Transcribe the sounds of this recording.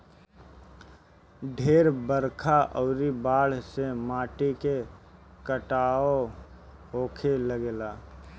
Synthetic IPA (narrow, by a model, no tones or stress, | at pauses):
ɖʱeːɾbəɾkʰaʔɔːɾibaːɽ̤semaːʈike | kəʈaːo | ɦoːkʰeləɡelaː